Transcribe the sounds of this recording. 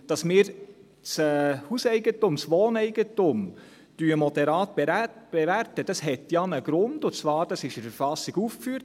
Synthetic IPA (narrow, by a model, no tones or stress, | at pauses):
d̥ɑsmɪːɾ | t͡sɛhusɛɪɡətʊmsʋoːnɛɪɡ̥ətʊm | d̥yəmɔd̥̪ɛɾɑːtb̥eb̥ɛværtəd̥ɑshɛtjɑnəɡ̥ɾʊnd̥ʊt͡svɑːɾd̥ɑsɪʃəɾfəɾfɑsːiɡ̥uːfkfyːɾt